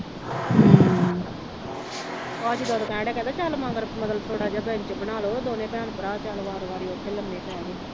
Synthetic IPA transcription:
aːd͡ʒiːd̪oːd̪okɛ̃ːɽɛːkɛ̃nd̪aːt͡ʃaːlomãːɡəɾməd̪əlt̪ʰoːɽaːd͡ʒaːbɛːnt͡ʃəpənaːloːd̪oːnẽːpɛːnpəɾaːt͡ʃaːloʋaːɾoʋaːɾiot̪ʰːeːləmːeːʈɛɡi

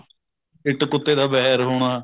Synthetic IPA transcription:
ɪʈkʊt̪ːeːd̪aːbɛːɦɾɦoːɽ̃aː

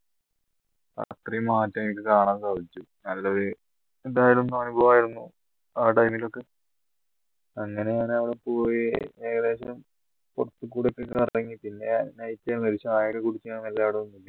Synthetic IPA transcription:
a̰t̪rijɐmaːtːɐik̬ʲːɨkaːɳaːnkɐʋit͡ɕːu | nɐlːɐoɾu | ed̪aːjilonːumaɳubʱɐʋaːjiɾunːu | aːʈɐjmilo̞kːe̞ | ɐŋːɐne̞jaːnɐʋiɽepo̞ːjiʋe̞ːɣɐðe̞ːɕɐm | po̰rɐt̪ːɨkːuːɽejkːekːɐrɐŋːipinːe̞nɐjtːaːnmɐɾit͡ɕːɐmaːjɐkːekuɽit͡ɕːukaːɳɐmelːaːʋiɽeunːilːɐ

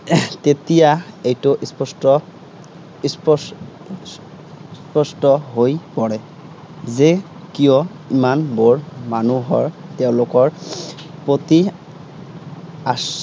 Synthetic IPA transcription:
t̪et̪ijaejtoʔispɔstɔ | ispɔ | spɔstɔɦojpɔɹɛ | ze | kijɔ | imanbɔɹmanuɦɔɹteʊ̃lokɔɹpɹot̪i | as

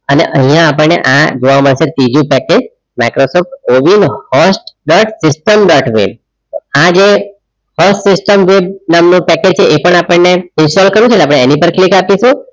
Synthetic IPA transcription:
ənḛʔəɦĩjãːp̬əɳnḛʔad͡ʒoʋamənset̪id͡ʒũpɛked͡ʒ | majkɾosɔfʈoʋinhɔsʈɖɔʈsɪsʈəmɖɔʈʋḛb̚ | oad͡ʒe | hɔsʈsɪsʈəmʋebnamnũpɛked͡ʒt͡ʃʰeʔepəɳapəɳneɪ̃nsʈɔlkəɾũt͡ʃʰelap̬əɽ̃eenipəɾklikapiʃũ

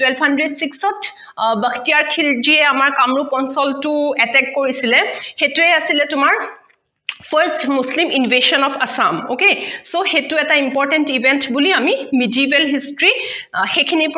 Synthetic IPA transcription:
twɛlbʰʱhandɹedsiksɔt | bəkʰtijaɹkʰild͡ʒiɛamaɹkamɹupɔnsɔltʊɛtɛkːoɹisilɛxetuɛasilɛtʊmaɹ | pʰaɹstmuslimʔinbeʃɔnɔpʰasamokesoxetuɛtaimpɔɹtɛntibɛntbuliamimidiibɛlɦistɹixekʰinip

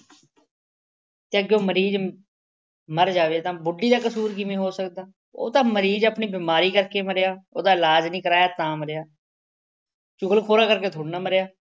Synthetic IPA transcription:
t̪eːəɡoːməɾiːd͡ʒ | məɾd͡ʒaːʋeːt̪ãːbʊɖːiːd̪aːkəsuːɾkɪmẽːɦoːsəkd̪aː | o̰ːt̪ãːməɾiːd͡ʒəpniːbɪːmaːɾiːkəɾkeːməɾejaːo̰ːd̪aːɪlaːd͡ʒnĩːkəɾaːjaːt̪ãːməɾejaː | t͡ʃʊɡəlkʰoːɾaːkəɾkeːt̪ʰoːɽnaːməɾejaː

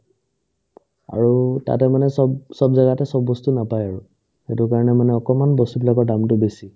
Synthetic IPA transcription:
a̰ɹuta̰tɛmanɛsɔbsɔbzaɡatɛsɔbːɔstunapajaɹu | xetʊkaɹɔnɛmanɛɔkɔmanbɔstubilakɔɹdamtʊbesi

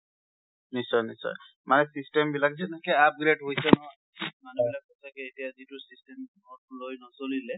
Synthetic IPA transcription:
nisɔjnisɔ̰j | manɛsistɛmbilakzɛnɛkɛap̚ɡɹedɦojsɛnɔ | manubilak̚ɔsakɛetijazitʊsistɛmnɔtlojnɔsolilɛ

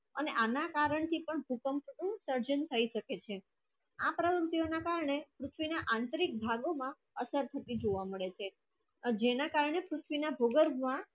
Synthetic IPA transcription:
əneʔanakaɾəɳt̪ʰipəɳbʱukəmpnũsəɾd͡ʒənt̪ʰəiʃəket͡ʃʰe | apɾəʋəmt̪ionakaɾɳepɾʊt̪ʰʋinaʔãnt̪əɾik̚bʱaɡomã | əsəɾt̪ʰət̪id͡ʒoʋaməɭet͡ʃʰe | d͡ʒenakaɾɳepɾʊt̪ʰʋinabʱoɡəɾmã

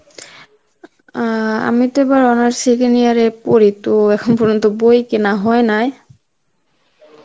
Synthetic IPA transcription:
a̰mitebaɹɔnaɹsiɡnijaɹɛpoɹitoɛkʰɔnpɔɹɔnt̪ɔbojkenaɦɔjnaj

